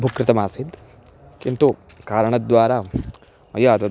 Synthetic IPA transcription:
bʱukɾɪt̪ɐmaːsit̪ | kint̪u | kaːɾəɳ̃ɐd̪ʋaːɾaː | ɐjɐɐt̪ɐ

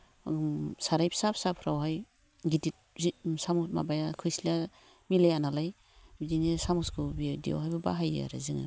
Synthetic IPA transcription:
saɾajpʰsapʰsapʰɾawɦaj | ɡidit̚zisamusma̰bajakʰɯjsla | milajanalaj | bidinisamuskʰɯbidijo̰wɦhajbabaɦaj̰a̰ɾa̰zɯŋa̰

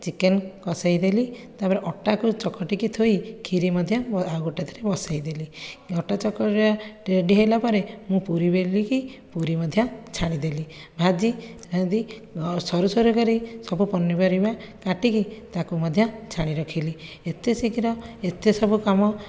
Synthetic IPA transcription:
t͡ʃikenkɔsajd̪elit̪apɔɾeʔɔʈakut͡ʃɔkːɔʈikit̪ʰojkʰiɾimɔd̪ʱjɔaɡuʈat̪ʰaɾebɔsajd̪eliɔʈat͡ʃɔkːɔʈiaʈeɖiɦejlapɔɾemũpuɾibelikipuɾimɔd̪ʱjɔt͡ʃʰaɽ̃id̪eli | bʱad͡ʒiɾad̪i | sɔɾusɔɾukɔɾisɔbupɔnːibɔɾibakaʈikit̪akumɔd̪ʱjɔt͡ʃʰaɽ̃iɾɔkʰili | et̪esikiɾɔet̪esɔbukamɔ

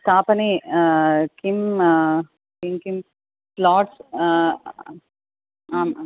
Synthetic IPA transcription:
t̪aːpɐni | kim | kimkim | plɔːʈs | aːmaːm

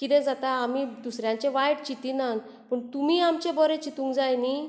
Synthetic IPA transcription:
kit̪ɛ̃d͡zat̪aːmid̪usɾjãɲt͡ɕẽʋajɽt͡ɕit̪inan | pəɳt̪umiːamt͡ɕẽbɔɾet͡ɕit̪ũŋɡd͡zajni

